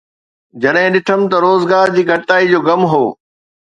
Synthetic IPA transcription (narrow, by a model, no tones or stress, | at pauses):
d͡ʑɐɗɦɪ̃ɗɪʈʰəm̆t̪ɐɾoːzɡaːɾd͡ʑiːɡʱɐʈt̪aːid͡ʑoːɡɐmɦoː